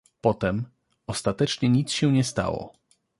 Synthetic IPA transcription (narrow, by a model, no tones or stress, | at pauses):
pɔt̪ɛm | ɔst̪at̪ɛt͡ʂɲɛɲit̪sɕɛɲɛst̪a̰wɔ̰